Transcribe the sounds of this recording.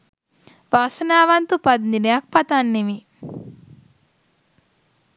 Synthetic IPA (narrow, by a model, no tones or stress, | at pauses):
ʋaːsɐnaːʋɐnt̪upɐd̪ninjak̚pɐt̪anːimi